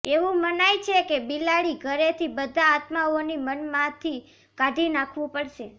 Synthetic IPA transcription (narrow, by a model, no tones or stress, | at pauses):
eʋũmənajt͡ʃʰekebilaɭiɡʱəɾet̪ʰibəd̪ʱaːt̪maonimənmãt̪ʰi | kad̪ʱinakʰʋũpəɽʃe